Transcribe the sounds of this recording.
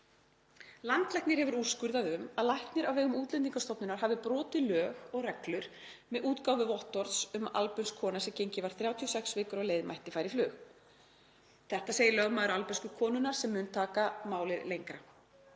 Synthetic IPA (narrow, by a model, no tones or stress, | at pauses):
lant̪lɛhknɪɾ̥hɛvʏɾuːskʏɾðaðʏmaðlajht̪nɪɾawvɛːɣʏmuːt̪lɛnt̪iŋkast̪ɔpnʏnaɾ̥ɦavðɪpɾɔːt̪ɪlœːɣɔɣrɛklʏɾ̥ | mɛðʔuːt̪kawvɪvɔht̪ɔɾðsʏma̰lpʏnskʰːɔːnasɛmcejɲcɪvaɾ̥θɾjaːwt̪ʰiɔsɛksvɪːkʏɾɔɣleːjðma̰jht̪ɪfaːjɾɪflʏːx | θɛht̪aseːjɪlœɣmaːðɾalpɛskʏkʰɔːnʏnaɾ̥sɛmːʏːnt̪ʰaːkamaːwlɪðlejŋkɾa